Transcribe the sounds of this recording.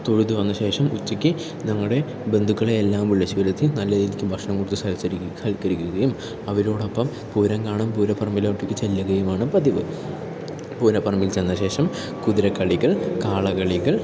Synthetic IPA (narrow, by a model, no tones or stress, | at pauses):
t̪oɻut̪ːɨʋɐnːɐɕe̞ːʂɐmut͡ɕːikʲːɨ | nɐŋːɐɽe̞ | be̞nd̪ʱukːɐɭeːlːaːʋmuɭːɐt͡ɕːiʋɐlɐt̪ːinɐlːɐðilikʲːɨbʱɐkʂɐɳɐmkoɽut̪ːusaːɡt͡ɕːɐiɐlkːɐɾikʲːuɣɐjum | ɐʋɐɾoːɽɐpːɐm | puːɾɐŋkaːɳɐmpuːɾɐpʰɐrmilaʈːikʲːɨt͡ɕelːɐɣɐjumaːɳɨpɐðiʋɨ | puːɾɐpɐrmilt͡ɕenːɐɕe̞ːʂɐm | kuðiɾɐkːɐɭiɣɐɭkaːɭɐɣɐɭiɣɐɭ